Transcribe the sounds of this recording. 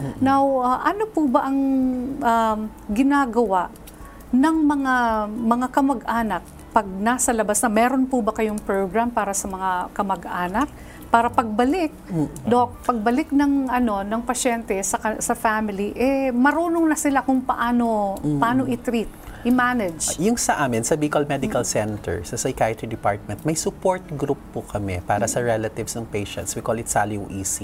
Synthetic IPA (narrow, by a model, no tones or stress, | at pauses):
nawɐʔɐnopubɐʔɐŋʔɐ | ɡɪnaːɡɐwaʔ | nɐŋmɐŋamɐŋakɐmɐɡʔaːnɐk̚ | pɐɡ̚nasɐlɐbasnɐmɛːɾo̞npʊbɐkɐjoŋpɹoɡɹampaːɾɐsɐmɐŋakɐmɐɡʔaːnɐk̚ | paːɾɐpɐɡ̚bɐlɪk̚d̪ok̚pɐɡ̚bɐlɪk̚nɐŋʔɐno̞nɐŋpɐʃɛnt̪ɛsɐkɐsɐfamɪliʔɛmɐɾuːnoŋnɐsɪlakʊŋpɐʔaːno̞pɐʔaːno̞ʔɪt̪ɾit̪̚ʔɪmaːnɛd͡ʒjʊŋsɐʔaːmɪnsɐbikɐlmɛd̪ɪkɐlsɛnt̪ɛ̰ɹsɐsɐjkajɐt̪id̪ɪpaɹt̪̚mɛnt̪̚mɐjsʊpoɹt̪̚ɡɾupːʊkʰɐmɛpaːɾɐsɐɹɛlɐt̪ɪvsnɐŋpɛjʃɛ̰nt̪swikolɪt̪saljuʔiːsi